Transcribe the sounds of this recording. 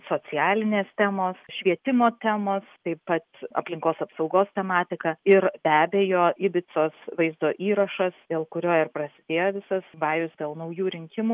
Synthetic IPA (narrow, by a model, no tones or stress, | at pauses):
soːt͡s̪ʲɪjæːlʲɪnʲeːst̪ʲæːmoːsʃʲʋʲiɛt̪ʲɪmoːt̪ʲæːmoːst̪ɐɪpːɐt̪ɐ̰pʲlʲɪŋkoːsɐpsɒʊɡoːst̪ʲɛmɑːt̪ʲɪkɐɪɾb̥ʲæːbʲeːjoːʔɪbʲɪt͡s̪oːsʋɐɪzd̪oːʔiːɾɐʃɐsd̪̥ʲeːlˠkʊɾʲoːɪrpɾɐsʲɪ̥d̪ʲeːjoʋʲɪsɐsʋɑːjʊsd̪ʲeːlˠnɐʊjuːɾʲɪŋʲkʲɪmuː